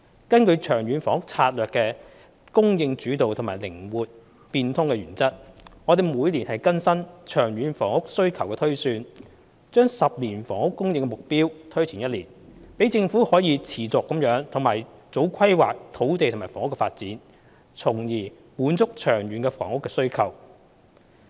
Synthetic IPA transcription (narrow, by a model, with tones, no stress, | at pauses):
kɐ˥nkɵ˧ɥt͡ʃʰœː˨˩ŋɥyː˨˧nfɔː˨˥ŋʊ˥k̚t͡sʰaː˧t̚lœː˨kːɛː˧ | kʊ˥ŋjɪ˧ŋt͡ʃyː˨˥t̪o˨wt̪ʰʊ˨˩ŋmaː˨˩jlɪ˨˩ŋwuː˨t̚ | piː˧nt̪ʰʊ˥ŋkɛ˧ɥyː˨˩nt͡sɐ˥t̚ŋɔː˨˧ɾe˨jmuː˨˧jliː˨˩nhɐ˨˩jkɐ˥nsɐ˥nt͡ʃʰœː˨˩ŋɥyː˨˧nfɔː˨˩ŋʊ˥k̚sɵ˥ɥkʰɐ˨˩wkɛː˧t̪ʰɵ˥ɥsyː˧n | t͡ʃœː˥ŋsɐ˨p̚liː˨˩nfɔː˨˩ŋʊ˥kːʊ˥ŋjɪ˧ŋkːɛ˧mʊ˨k̚piː˥wt̪ʰɵ˥ɥt͡sʰiː˨˩njɐ˥t̚liː˨˩npe˨˥jt͡sɪ˧ŋfuː˨˥hɔː˨˥jiː˨˧t͡sʰiː˨˩t͡sʊ˨kːɐ˨˥mjœː˨˥ŋt̪ʰʊ˨˩ŋmaː˨˩jt͡so˨˥wkʷʰɐ˥jwaː˨k̚t̪ʰo˨˥wt̪e˨jt̪ʰmaː˨˩fɔː˨˩ŋʊ˥kːɛ˧faː˧t̚t͡siː˨˥n | t͡sʰʊ˨˩ŋjiː˨˩ | muː˨˧˥nt͡sʊ˥k̚t͡ʃʰœː˨˩ŋjyː˨˥nkɛ˧fɔ̰ː˨˩ŋʊ˥kːɛ˧sɵ˥ɥkʰɐ˨˩w